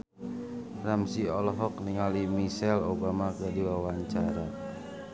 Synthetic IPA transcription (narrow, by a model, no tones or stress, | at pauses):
ramsiɔlɔɦɔk̚niŋalimisɛlobamaɡadiwawaɲt͡ʃaɾa